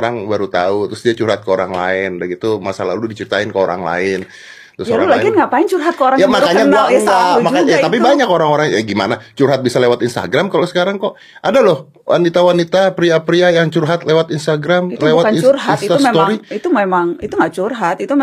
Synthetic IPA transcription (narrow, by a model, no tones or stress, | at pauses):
ɾaŋbaɾut̪aut̪ɾʊsdiat͡ʃurɦat̪̚kəoɾaŋla̰ɪndaɡit̪umasala̰hlʊdit͡ʃiɾit̪aɪnkəoɾa̰ŋla̰ɪn | t̪ʊsjaɾa̰ulaɡinŋɡapaɪnt͡ʃurɦat̪kəoɾaŋjamakaɲaɡaamaaɲat̪apibaɲakoɾaŋoɾaŋjaɡima̰nat͡ʃurɦat̪̚bisalewat̪inst̪a̰ɡɾamkalosə̥kaɾaŋkɔʔ | ʔadalɔh | wʔa̰nit̪awanit̪apɾiapɾiajaŋt͡ʃurɦat̪lewat̪inst̪aɡɾamlewatt͡ʃurɦanst̪ast̪oɾiit̪umemaŋit̪uŋɡaʔt͡ʃurɦat̪it̪u